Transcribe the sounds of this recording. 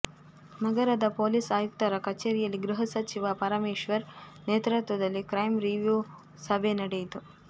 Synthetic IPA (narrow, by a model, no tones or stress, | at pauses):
nɐɡɐɾɐd̪ɐpoːlisaːjuk̚t̪ɐɾɐkɐt͡ʃeːɾijɐlːiɡɾuɦɐsɐt͡ʃiʋapɐɾɐmeːʃʋɐɾneːt̪ɾɐt̪ʋɐd̪ɐlːikɾɐjmɾiʋju | sɐbʱenɐɽejit̪u